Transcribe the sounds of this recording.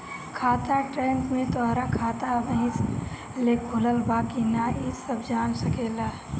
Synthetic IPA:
kʰaːt̪aʈɾempmẽt̪aːɾakʰaːt̪abəɦĩs | lekʰuləlbaːkinaisəbd͡ʒaːnsəkeːla

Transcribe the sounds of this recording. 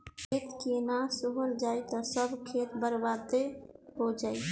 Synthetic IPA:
kʰet̪kenasoɦəld͡ʒajt̪ɔsəbʱkʰet̪bəɾbad̪eɦod͡ʒaːi

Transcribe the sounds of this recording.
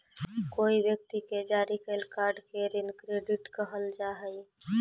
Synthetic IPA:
koibjəkt̪iked͡ʒaɾikəlkaɾɖkeɾinkɾeɖiʈkəɦəld͡ʒaɦəj

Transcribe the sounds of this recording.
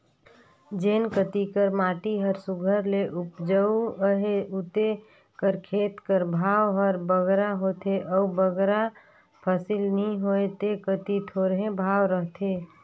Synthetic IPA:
d͡ʒenkət̪ikəɾmaʈiɦəɾsuɡʱəɾleʔupd͡ʒəuəɦeut̪e | kəɾkʰet̪kəɾbʱawɦəɾbəɡɾaɦot̪eʔəubəɡɾa | pʰəsilnĩɦoet̪ekət̪it̪ʰoɾɦẽbʱawɾəɦt̪ʰe

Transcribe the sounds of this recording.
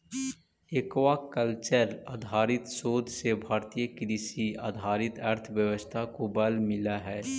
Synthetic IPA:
eːkʋakəlt͡ʃəɾaːd̪ʱaːɾɪt̪soːd̪ʱsebʱaːɾt̪ijəkɾisia̰ːd̪ʱaːɾɪt̪əɾt̪ʰʋjəʋəst̪ʰakobɐlmɪlaɦɛː

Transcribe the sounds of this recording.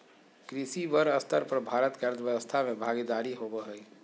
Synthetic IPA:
kɾisibəɾəst̪ʰəɾpəɾbʱaːɾət̪keɾd̪ʋjəəst̪ʰamebʱaɡid̪aɾiɦobəɦəi

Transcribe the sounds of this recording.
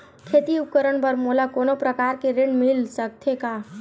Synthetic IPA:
kʰeːt̪iʊpkəɾəɳpəɾmolakoːnopɾəkaːɾkeɾẽɳmɪlsək̚t̪ʰekaː

